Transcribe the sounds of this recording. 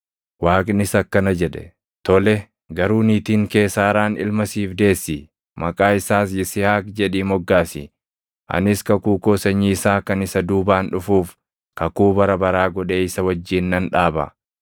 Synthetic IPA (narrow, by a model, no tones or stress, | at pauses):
waːkʼɪnɪsɐkːɐnɐd͡ʒɛᶑɛ̥̰ | t̪ɔlɛ | ɡɐɾuːniːt̪iːŋke̞ːsːaːɾaːnɪ̰lmɐsiːfd̪e̞ːsːi | mɐkʼaːɪsaːsjɪsɪhaːkd͡ʒɛᶑiːmɔɡːaːsɪ̰ | ʔɐ̰nɪskɐkuːkoːsɐɲːiɪsaːkɐnɪsɐd̪uːbaːnᶑʊfuːf | kɐkuːbɐɾɐbɐɾaːɡɔᶑe̞ːɪsɐwɐd͡ʒːiːnːɐnᶑaːbɐ̰